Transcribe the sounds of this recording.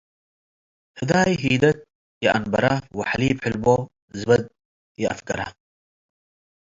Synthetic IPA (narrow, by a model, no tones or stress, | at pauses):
hɪd̪aːjɦiːd̪ɐt̪̚ | jaɐ̰nbɐɾawɐħaliːpħɪlbo | zbɐd̪̚ | jɐɐ̰fkɐɾa̰